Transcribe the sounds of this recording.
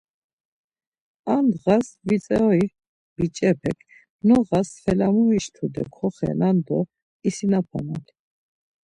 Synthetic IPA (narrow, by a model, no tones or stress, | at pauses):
and̪ʁasvit͡sʼɛɔi | bit͡ʃʼɛpʰɛkʰ | nɔʁasfɛlamumiʃt̪ʰud̪ɛ̰kʰɔχɛ̰nand̪ɔ | isinapʰa̰na̰li